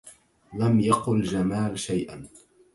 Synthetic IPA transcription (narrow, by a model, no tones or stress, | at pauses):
lamjaqʊld͡ʒamaːlʃajʔa̰